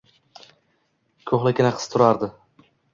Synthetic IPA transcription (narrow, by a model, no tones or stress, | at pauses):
kʲʰoχlˠɪkʲɪnaqʰɨ̥st̪ʰʊɾaɾd̪ɪ